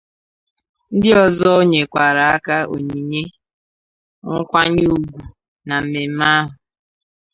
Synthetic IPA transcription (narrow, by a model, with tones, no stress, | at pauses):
n̩˦dɪ˦ɔ˨zɔ˦o˦ɲe˨kʷa˨ɾa˨a˦ka˦o̰˨ɲi˨ɲe˦ | ŋ̩˦kʷa˦ɲe˦u˨ɡʷu˨ | na˨m̩˨me˨m̩˦ma˦ɦʊ˨